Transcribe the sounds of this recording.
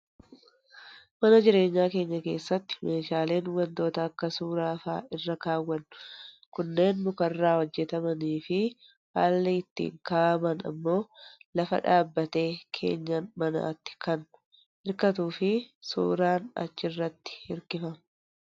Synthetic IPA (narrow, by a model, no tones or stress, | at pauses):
mɐnɐd͡ʒɪɾe̞ːɲːaːke̞ːɲːɐke̞ːsːɐt̪ːɪ̥meːʃaːle̞ːnwɐnt̪o̞ːt̪ɐːkːɐsuːɾaːfa̰ːʔɪrːɐkaːwːɐnːʊ | kʊnːe̞ːnmʊkɐrːaːwɔd͡ʒːɛt̪ɐmɐniːfɪ | ha̰ːlːeɪt̪ːḭːŋkaːʔɐmɐnɐ̰mːo̞ːlɐfɐ̰ᶑaːbːɐt̪e̞ːkʰe̞̰ːɲːɐnmɐna̰ːt̪ːɪ̥kɐn | hɪɾkɐt̪̬uːfɪsṵːɾaːnɐ̰t͡ʃːɪrːɐt̪ːɪ̥hɪɾkɪfɐm